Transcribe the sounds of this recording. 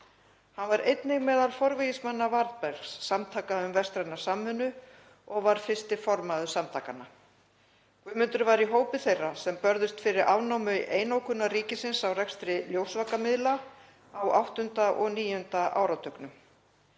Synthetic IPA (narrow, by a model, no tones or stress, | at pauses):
hanvaɾejt̪nɪɣmɛːðalfɔɾvɪjɪsmanːavaɾðpɛɾksːamt̪ʰaːkaʏmvɛst̪ɾanasaːmːʏnːʏ | ɔɣvaɾ̥fɪ̥st̪ɪfɔɾmaðʏsamt̪ʰaːkana | kvʏːmʏnt̪ʏɾvaɾiɦoːwpɪθejrasɛmpœɾðʏst̪fɪɾɪɾavnawmʏʔeːjnawkʰʏnːariːcɪsɪnsawrɛkst̪ɾɪljowsvaːkamɪðla | awʔawht̪ʏnt̪aʔɔɣniːjʏnt̪aʔa̰ːwɾat̪ʰœknʏm